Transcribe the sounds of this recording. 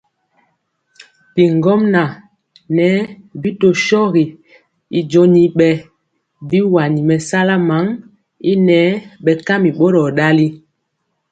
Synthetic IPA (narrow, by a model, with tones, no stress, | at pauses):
pi˨ŋɡɔ˦mna˨ | nɛ˨˦bi˦to˨ʃɔ˦ɣi˨ | i˨d͡ʒo˦ni˨ɓɛ˨ | bi˦wa˨ni˨mɛ˨sa˦la˦ma˨˦ŋ | i˦nɛ˨˦ɓɛ˨ka˦mi˨ɓo˦ɾɔ˨ɗa˦li˦